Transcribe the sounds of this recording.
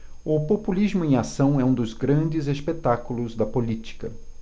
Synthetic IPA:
ʊpopulizmʊẽj̃asɐ̃w̃ɛũd̪ʊzɡɾɐ̃nd͡ʒɪzespet̪akulʊzd̪ɐpolit͡ʃi̥kɐ

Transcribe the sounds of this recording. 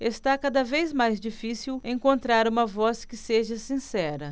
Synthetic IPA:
est̪akad̪ɐvejzmajzd͡ʒifisiwẽŋkõnt̪ɾaɾũmɐvɔskɪseʒɐsĩsɛɾɐ

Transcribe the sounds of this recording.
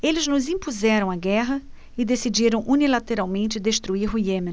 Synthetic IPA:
elɪznʊzĩpuzɛɾɐ̃w̃aɡɛɦɐ | ɪd̪esid͡ʒiɾɐ̃w̃ʔunilat̪eɾawmẽnt͡ʃɪd̪est̪ɾuiɾɦujemẽ

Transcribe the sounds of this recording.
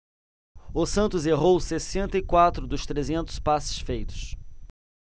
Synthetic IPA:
ʊsɐ̃nt̪ʊzeʁowsesẽnt̪ɐikwat̪ɾʊd̪ʊʃt̪ɾezẽnt̪ʊ̥spasɪ̥ʃfejt̪ʊ̥ʃ

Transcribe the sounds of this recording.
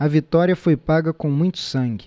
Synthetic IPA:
ɐvit̪ɔɾiɐfojpaɡɐkõmũj̃t̪ʊ̥sɐ̃ŋɡʲɪ

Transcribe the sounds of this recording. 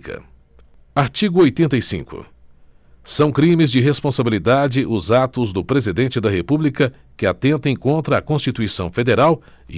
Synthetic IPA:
kɐ̰ | aɾt͡ʃiɡʊojt̪ẽnt̪ɐjsḭ̃ŋkʊ̰ | sɐ̃w̃kɾĩmɪzd͡ʒɪɦespõsabilid̪ad͡ʒɪʔʊzat̪ʊzd̪ʊpɾezid̪ẽnt͡ʃɪd̪ɐɦepublikɐ | kɪat̪ẽnt̪ẽj̃kõnt̪ɾɐakõst͡ʃit̪uisɐ̰̃w̃fed̪eɾaw

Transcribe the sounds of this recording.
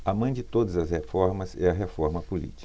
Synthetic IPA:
ɐmɐ̃d͡ʒɪt̪od̪ɐzɐshefɔɾmɐzɛɐɦefɔɾmɐpulḭt͡ʃi̥

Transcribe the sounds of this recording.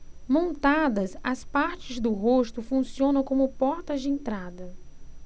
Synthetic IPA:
mõnt̪ad̪ɐsɐspaɾt͡ʃɪzd̪ʊɦost̪ʊfũsiõnɐ̃w̃kõmʊpɔɾt̪ɐzd͡ʒɪẽnt̪ɾad̪ɐ

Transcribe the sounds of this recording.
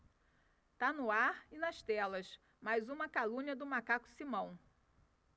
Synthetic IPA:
t̪anʊaɾɪnɐʃt̪ɛlɐs | majzũmɐkalũɲɐd̪ʊmakakʊ̥simɐ̃w̃

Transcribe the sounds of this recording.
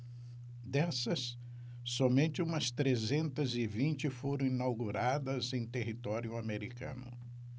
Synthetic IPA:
d̪ɛsɐsː | ɔmẽnt͡ʃɪũmɐst̪ɾezẽnt̪ɐzɪvĩnt͡ʃɪfoɾɐ̃w̃inawɡuɾad̪ɐzẽj̃t̪eɦit̪ɔɾjʊameɾikɐ̰̃nʊ̰

